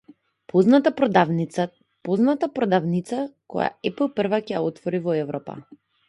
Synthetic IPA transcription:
pʰɔznat̪apɾɔd̪avnit̪sa | poznat̪apɾɔd̪avnit̪sakɔ̰ja̰ɛpl̩ˠpər̩vacɛja̰ɔt̪vɔɾivɔɛvɾɔpa̰

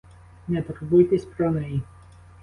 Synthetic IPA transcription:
nɛt̪ɾbʊjt̪ɪsʲpɾɔnɛji

